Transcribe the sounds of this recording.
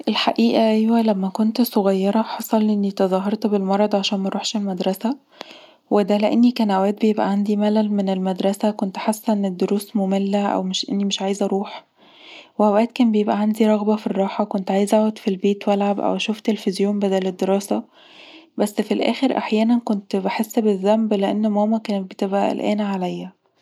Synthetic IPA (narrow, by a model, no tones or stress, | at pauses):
ʔelħaʔiːʔæʔæjwælæmːækont̪soɣɑjːɑɾˤɑħɑsˤɑlʔʔenːit̪ɑzˤɑːɦɑɾˤt̪belmɑɾˤɑd̪ˤʕaʃæːnmæɾˤuːħʃelmæd̪ɾˤɑsæ | wed̪æleʔenːikænæwæːt̪̚bejebʔæ̰ʕand̪imælælmenelmæd̪ɾˤɑsækont̪ħasːænːed̪ːoɾuːsmomelːæʔæ̰wmeʃʔḛnːimeʃʕaːjezʔæɾˤuːħ | weʔæwæːt̪̚kæːnbejebʔæʕand̪iɾˤɑɣbɑfirˤːɑːħɑkont̪ʕaːjezʔaod̪filbeːt̪wælʕabʔæ̰wæʃuːft̪elfizjoːmbæd̪æled̪ːeɾˤɑːsæ | bæsːfilʔæ̰ːxeɾʔa̰ħjæːnænkont̪beħesːbeðːæmbleʔenːmæːmækæːnet̪̚bet̪ebʔæ̰æ̰lʔæ̰ːnʕalæjːæ